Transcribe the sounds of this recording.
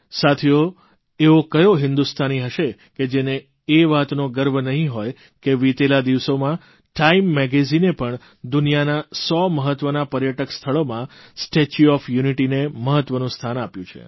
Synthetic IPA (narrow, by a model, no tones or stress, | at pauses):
sat̪ʰijo | eʋokəjoɦɪ̃nd̪ust̪ʰaniɦəʃe | ked͡ʒeneː | ʋat̪noɡəɾbʱənəɦĩɦoj | keʋit̪elad̪iʋsomã | ʈaimːɛɡezinepəɳ | d̪unijanasɔməɦət̪ːʋənapəɾjəʈəkst̪ʰəɭomãsʈet͡ʃuɔfjuniʈineməɦət̪ʋənũst̪ʰanapjũt͡ʃʰḛ